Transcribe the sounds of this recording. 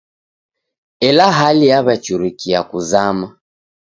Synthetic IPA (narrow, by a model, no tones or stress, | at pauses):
ɛlaɦaliaβat͡ʃuɾikiakuzama